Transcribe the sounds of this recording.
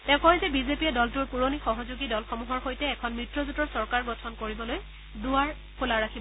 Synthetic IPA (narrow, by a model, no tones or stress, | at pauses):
tɛ̃ʊ̃kɔɦjzɛbizepiɛdɔltuɹpuɹonixɔɦɔzuɡidɔlxɔmuɦɔɹxojtɛːkʰɔnmɹitɹɔzutɔɹsɔɹkaɹɡɔtʰɔnkoɹibɔloj | dʊaɹ | kʰulaɹakʰib